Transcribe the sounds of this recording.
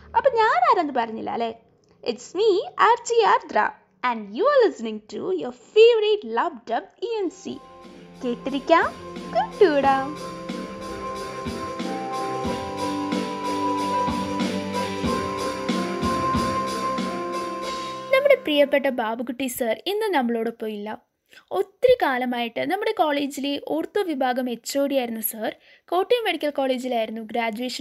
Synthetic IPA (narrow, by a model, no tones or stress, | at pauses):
ɐpːɐɲaːnaːɾɐnd̪ɯbaːɾɐŋɪ̰lːa̰ːle | ʔɪʈsmiaːɾt͡ʃiːaːɾd̪ɾa̰ː | ɛ̃ɳɖjuːaːɾlɪsnɪ̃ŋɡ̚ʈujoːɾfeːʋɾeʈlabʈɐbiɛnsḭːkeːʈːɪɾɪkːãːkuʈːuːɽaː | nɐmːuɽe̞prijɐpːeʈːɐbʱaːbɐɣuʈːisɐrinːɨnɐmːɐɭo̞ːɽɨpːoːjilːɐ | o̞t̪ːrikaːlɐmaːjiʈːɨnɐmːuɽe̞koːɭeːd͡ʑileʔoːrt̪ːuʋibʱaːɡɐme̞t͡ɕːoːɽijaːjiɾunːusɐr | ko̞ːʈːijɐmeɽikʲːɐlkoːɭeːd͡ʑilaːjiɾunːuɡɾaːd͡ʑuʋeːʂɐ